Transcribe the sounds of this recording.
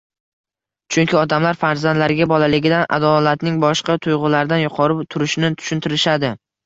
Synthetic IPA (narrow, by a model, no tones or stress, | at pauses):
t͡ʃʰʊŋkʲʰɪɒd̪amlaɾfaɾzand̪laɾɪɡʲabɒlalɪɡʲɪd̪anʔa̰d̪ɒlat̪nɪŋbɒʃqɑt̪ʰʊjʁʊlaɾɪd̪anjʊqʰɒɾɪt̪ʰʊɾɪʃnɪt̪ʰʊ̥ʃɪnt̪ʰɪɾɪʃad̪ɪ